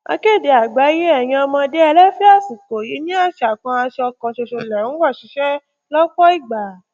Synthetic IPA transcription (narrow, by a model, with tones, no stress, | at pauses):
a̰˧ke˦˨de˧a˨ɡ͡ba˨˦je˦ɛ˦˨j̃ã˧ɔ˧mãː˧de˦ɛ˧lɛ˦fi˦a˦˨fu˨k͡po˨ji˨˦nĩ˦a˦˨ʃa˨k͡pã˧a˧ʃɔ˧kɔ̃˧˨ʃo˧˨ʃo˧lɛ˨ɾũ˨˦wa˦˨ʃi˨˦ʃɛ˦ | lɔ˦k͡pɔ˦i˦˨ɡ͡ba˨